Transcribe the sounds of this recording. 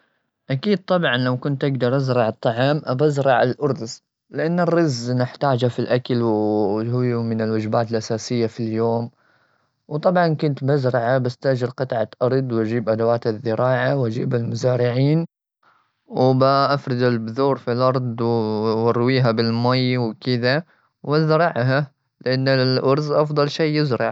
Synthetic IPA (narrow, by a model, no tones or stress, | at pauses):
ʔakiːd̪̚t̪ˤɑbʕɑnlawkʊnt̪ʔaɡd̪ɑɾˤʔazɾɑʕɑt̪ˤːɑʕɑːmʔabazɾˤɑʕalʔʊɾd̪z | lɪʔanːɪrːɪznɪħt̪aːd͡ʒafilʔakalwhʊjmɪnɪlwad͡ʒbaːt̪ɪlʔasaːsɪjːafiljoːm | wt̪ˤɑbʕɑnkʊnt̪bazɾˤɑʕabast̪aʔd͡ʒɪɾqɑt̪ʕaʔɑɾˤd̪ˤwʔad͡ʒiːbʔad̪awaːt̪aðːɪɾɑːʕawʔad͡ʒiːbɪlmʊzaːɾɪʕiːn | wbaʔafɾˤɪd̪ɪlbðuːɾfilʔɑɾˤd̪ˤwɑɾwiːɦabɪlmajwkɪd̪a | wazɾɑʕɦa | lɪʔanːɪlʔɑɾˤzʔɑfd̪ˤɑlʃeːjɪzɾˤɑʕ